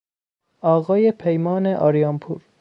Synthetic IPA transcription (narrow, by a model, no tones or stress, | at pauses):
ɒːɣɒːjepʰejmɒːneʔɒ̰ɾijɑmpʰuːɾ